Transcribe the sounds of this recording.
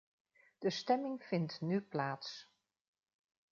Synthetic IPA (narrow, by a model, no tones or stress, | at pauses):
d̥əstɛmɪŋfɪntnyplaːts